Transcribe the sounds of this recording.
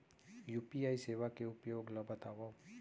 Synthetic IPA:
juːpiaːiseːʋakeʊpjoːɡləbʱɐt̪aːwo

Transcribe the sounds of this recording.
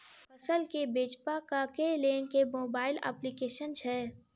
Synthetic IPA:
pɐsəlkebeːt͡ʃpakakelẽːŋkemoːbaːɪlɛ̰ːplikeːʃənt͡ʃʰɛ

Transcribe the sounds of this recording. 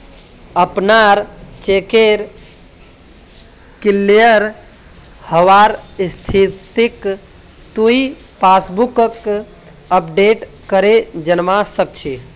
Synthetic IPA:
əpnaɾt͡ʃekeɾ | kilːijəɾ | həʋaɾst̪ʰit̪ik | t̪ui | pasbukək | əpɖeʈ | kəɾed͡ʒənmasək̚t͡ʃʰe

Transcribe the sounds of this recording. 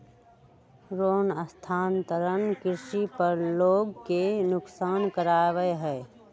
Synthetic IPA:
ɾoːnəst̪ʰaːnt̪əɾənkɪɾʃipəɾloːɡkenʊksaːnkəɾaːʋəeɦɛː

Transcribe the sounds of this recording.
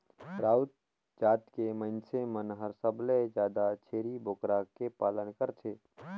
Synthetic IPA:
pɾaːwt̪ | d͡ʒaːt̪kemə̃ɪnsemənɦəɾsəbled͡ʒjaːd̪at͡ʃʰeːɾiboːkɾakepaːlənkəɾt͡ʃʰeː

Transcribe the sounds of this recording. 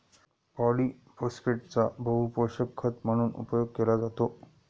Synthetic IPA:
pɔliː | poskeʈ̚t͡sabʱəɦupoɕəkkʰːət̪m̤əɽ̃uːnṵpəjoɡ̚kelad͡zat̪o

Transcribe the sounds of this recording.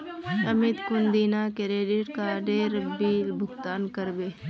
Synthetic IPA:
ɐmɪt̪kʊnd̪iːnakeɾeːɖɪʈkaɖeːɾəbilbʱʊɡt̪aːnkəɾbeː

